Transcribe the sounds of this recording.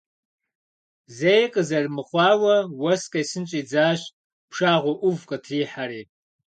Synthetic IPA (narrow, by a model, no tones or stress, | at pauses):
zejqʼəzɐrmɨχʷɑːwɐwɐskʼɐjsɨnt͡ʃʼiːd͡zaːɕ | pʰʂaːʁʷʊʔʊvqʼətʰriːħaɾiː